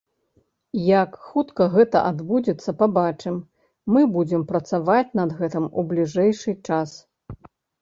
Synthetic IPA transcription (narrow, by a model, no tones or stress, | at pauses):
jakxut̪kɐɣɛt̪ɐ̰ʔad̪bud͡zʲɛt̪sːɐpabat͡ʂɨmː | ɨbud͡zʲɛmpɾɐt̪savat͡sʲnɐd̪ɣɛt̪ɨmublʲiʐɛjʂɨt͡ʂas